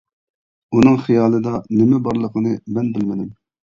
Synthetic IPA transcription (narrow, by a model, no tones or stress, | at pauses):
unɨŋχijɑːlˠɨd̪ɑnɪmɛbɑɾlˠəqʰənɨmɛnbɪlmɪd̪ɪm